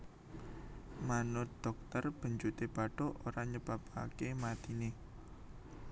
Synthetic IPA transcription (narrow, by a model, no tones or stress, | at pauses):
manod̪̥ɔk̚t̪ərb̥ə̤ɲd͡ʒut̪eb̥a̤ɖ̥ɔ̤oɾaɲəb̥a̤pa̰kemat̪ine